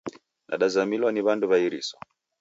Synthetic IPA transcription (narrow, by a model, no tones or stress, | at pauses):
na̰ɗazamilwaniβanduβaiɾisɔ